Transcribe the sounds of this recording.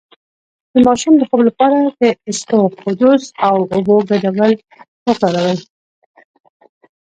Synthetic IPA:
d̪̥əmɑʃumləxoblapɑɾad̪əɪst̪oqʊd̪usawʊboɡadawəl | wəkɑɾawəl

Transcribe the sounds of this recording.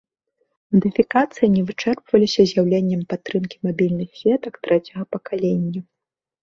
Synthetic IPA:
mɐd̪ɨfʲikat̪sɨjinʲɛvɨt͡ʂɛrpvɐlʲisʲɐzʲjawlʲenʲːɛmpat̪ːɾɨmkʲi̥mabʲilʲnɨxsʲvʲɛt̪ɐkt̪ɾɛt͡sʲɐɣɐpɐkalʲenʲːɐ

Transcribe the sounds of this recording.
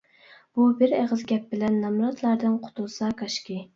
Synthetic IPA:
b̥ubɪɾeʁəzɡʲɛp̚bɪlɛnːɑmɾɑt̪ʰlˠɑɾd̪ɨnqʰʊ̥t̪ʰʊlˠsɑkʰɑʃkʲi

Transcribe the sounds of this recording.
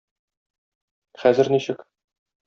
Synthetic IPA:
χæzɘ̆ɾniɕɘk

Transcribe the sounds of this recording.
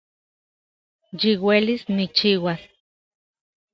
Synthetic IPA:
jiwelisnit͡ʃiwas

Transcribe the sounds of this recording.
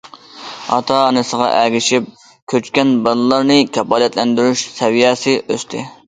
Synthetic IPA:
ɑ̰t̪ʰɑːnɨsəʁɑ̰ʔæɡʲiʃip̚ | kʲʰøt͡ʃkʲɛnbɑnɨlˠɑɾnɨkʲʰɛpɑːlɛt̪lɛnd̪yɾyʃsɛvijɛsɨʔøst̪ʰɪ

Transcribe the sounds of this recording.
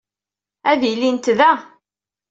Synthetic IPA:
æðijlːint̪ðæ

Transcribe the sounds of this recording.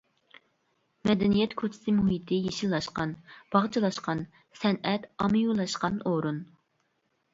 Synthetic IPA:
mɛd̪ɛnijɛt̪kʰot͡ʃʰɪ̥sɪmuhit̪ʰɪjeʃillːˠɑʃqɑnb̥ɑʁt͡ʃʰɨlˠɑʃqɑn | sɛnɛt̪ɑmɨjulˠɑʃqɑnoɾun

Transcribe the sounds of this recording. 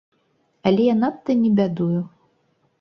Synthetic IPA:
ɐlʲɛjanat̪ːɐnʲɛbʲad̪uju

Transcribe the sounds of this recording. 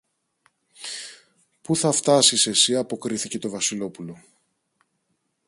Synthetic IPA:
puθɐft̪ɐsise̞siɐpo̞kɾiθice̞t̪o̞vɐsilo̞pulo̞

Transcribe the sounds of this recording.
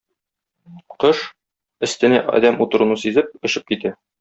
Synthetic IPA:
qɤʃ | ɘ̆st̪ɘ̆næʔɒ̰d̪æmut̪ɤ̆ɾŭnusizɘp̚ɵ̆ɕɘp̚kit̪æ

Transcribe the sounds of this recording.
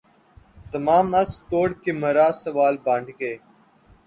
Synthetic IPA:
t̪əmaːmɐkst̪oːɽkeːməɾaːsəʋaːlbãːɳɖʱkeː

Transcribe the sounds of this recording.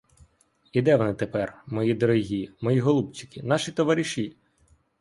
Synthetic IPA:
id̪ɛʋɔnɪt̪epɛrmɔjid̪ɔɾɔɦʲimɔjiɦɔlˠubt͡ʃi̥kɪnɑʃit̪ɔʋɑɾʲiʃi

